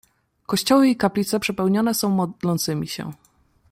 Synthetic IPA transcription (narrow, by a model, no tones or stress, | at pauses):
kɔɕt͡ɕɔwɘikaplʲit̪sɛpʂɛpɛwɲɔnɛsɔ̃w̃mɔd̪lɔnt̪sɘmʲiɕɛ̰